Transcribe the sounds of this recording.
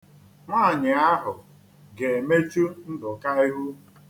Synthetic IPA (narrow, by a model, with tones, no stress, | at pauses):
ŋʷaː˦˨ɲɪ˨a˦ɦʊ˨ | ɡe˨me˦t͡ʃu˦n̩˦dʊ˨ka˦i˦ɦu˦